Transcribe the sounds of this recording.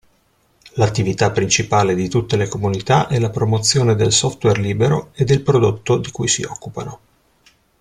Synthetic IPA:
lat̪ːivit̪apːɾint͡ʃipaːled̪it̪ut̪ːelekomunit̪aʔɛlapɾomot̪sːjoːned̪elsɔft̪wɛrliːbeɾoed̪ːelpɾod̪ot̪ːod̪ikujsḭɔ̰kːupa̰no

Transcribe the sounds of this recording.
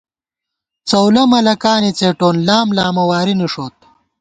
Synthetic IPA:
t͡sɐwlɐmɐlɐkaːnit͡seːʈoːnlaːmlaːmɐwaːɾiniʂoːt̪̚

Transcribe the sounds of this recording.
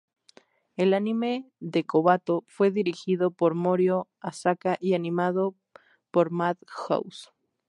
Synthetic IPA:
elanime̞ðekoβat̪o̞fwe̞ðiɾixiðo̞poɾmoɾjo | asakaʔianĩmaðo | poɾmaðxo̰ws

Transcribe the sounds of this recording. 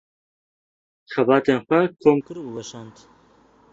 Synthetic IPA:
xɛbɑːt̪enxʷɛkʰoːmkɨɾuwɛʃɑnt̪

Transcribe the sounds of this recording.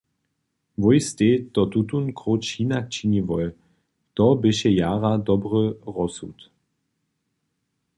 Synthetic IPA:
vɔjst̪et̪ɔt̪ut̪unkʁoːt͡ʃiːnak̚t͡ʃinivɔj | t̪ɔbɪʃɛjaːʁad̪ɔbʁəʁɔsṵt̪

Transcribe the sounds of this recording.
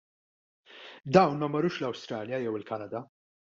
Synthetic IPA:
d̪ɐwnmɐmːɔɾuːʃlɐwst̪ɾɐːljɐjɛwɪlkɐnɐd̪ɐ

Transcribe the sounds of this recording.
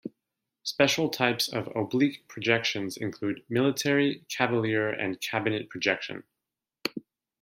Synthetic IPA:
spɛʃl̩ˠtʰaɪpsʌ̰vo̰ʊblikpʰɹ̥ɨd͡ʒɛkʃɨ̃nzɨ̃nkʰl̥ʉd̚mɪlˠətʰɛɹikʰævəlˠɪɹɨ̰̃nkʰæbɨnɨt̚pʰɹ̥ɨd͡ʒɛkʃɨ̰̃n

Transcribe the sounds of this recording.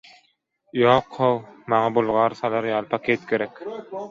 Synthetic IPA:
joːqʰːowmɑŋɑbulˠʁɑːɾsɑlɑɾjɑːlˠpʰakʰeːt̪kʰʲeɾɛkʲ

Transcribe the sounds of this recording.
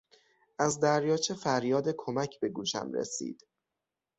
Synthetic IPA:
ʔæzd̪æɾjɒːt͡ʃʰe̞fæɾjɒːd̪ekʰo̞mæcʰbe̞ɡuːʃæ̰mɾḛsḭːd̪̥

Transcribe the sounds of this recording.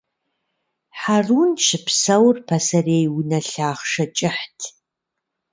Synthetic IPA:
ħaruːnʃɨpsɐwrpʰɐsɐreːjwnɐɬaːχʂɐt͡ʃʼɪħtʰ

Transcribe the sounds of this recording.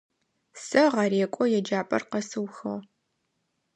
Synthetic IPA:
sɐʁɑɾeːkʷʼɔjɛd͡ʒaːpʼɐ̰rqɐsɨwxɐʁ

